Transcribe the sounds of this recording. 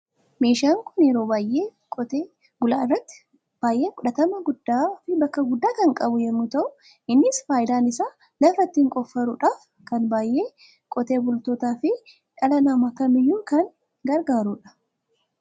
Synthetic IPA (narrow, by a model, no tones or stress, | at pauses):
me̞ːʃaːŋkʊnɛɾoːbaːjʔeː | kʼt̪ː | ɡʊlaːrːɐt̪ːɪ̥ | b̥aːjʔe̞ːkʼʊᶑɐt̪ɐmɐɡʊd̪ːaːfɪbɐkːɐɡʊd̪ːaːkɐŋkʼɐbʊjɛnːʊt̪ɐʔʊ | ʔɪnːɪsfaːjɪd̪aːnɪsaː | lɐfɾɐt̪ːiŋkʼɔfːɐɾʊᶑaːf | kɐnbaːjʔeː | kʼɔt̪e̞ːbʊlt̪oːt̪aːfɪ | ᶑɐlɐnamɐkːɐmɪjːuːkɐn | ɡɐɾɡaːɾuᶑɐ̥